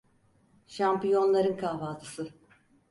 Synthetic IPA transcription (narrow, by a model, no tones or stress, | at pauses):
ʃampijo̞nlˠaɾɯnkʰaɦvaːt̪ʰɯ̥sɯ